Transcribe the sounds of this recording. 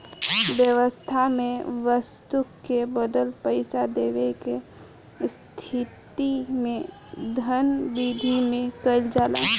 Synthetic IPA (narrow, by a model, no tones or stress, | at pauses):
bjəʋəst̪ʰamẽʋəst̪ukːebəd̪əlpəɪsad̪eɡəke | st̪ʰit̪imẽ | d̪ʱənbid̪ʱimẽkəɪld͡ʒaːla̰